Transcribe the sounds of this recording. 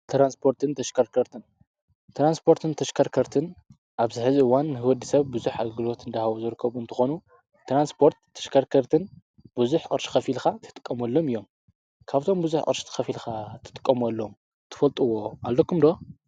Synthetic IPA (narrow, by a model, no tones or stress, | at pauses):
t̪ʰɾanspʰo̞ɾt̪ʰɨnt̪ʰɐʃkʰɐɾkʰɐɾt̪ʰɨn | t̪ʰɾanspʰo̞ɾt̪ʰɨnt̪ʰɐʃkʰɐɾkʰɐɾt̪ʰɨn | ʔaβzɨħɨziɨwanːɨhɨwɔd̪ɨsɐβbuzuħa̰ɡlɡɨlo̞t̪ɨnd̪ahawuzɨɾɨkʰːɐβuɨnt̪ʰɐxonu | t̪ʰɾanspʰo̞ɾt̪ʰːɐ̥ʃkʰɐɾkʰɐɾt̪ʰɨn | b̥uzuħʔʼɨ̰ɾʃi̥xɐfilxat̪ʰɨ̥t̪ʼɨ̥kʼːɐmɐlːomɨjːo̞m | kʰaβt̪ʰo̞mbuzuħqʼɨɾʃt̪ʰɨ̥xɐfilxat̪ʰɨ̥t̪ʼɨ̥kʼːɐmɐlːom | t̪ʰɨ̥fɐlt̪ʼɨwoʔalːokʰumd̪o̞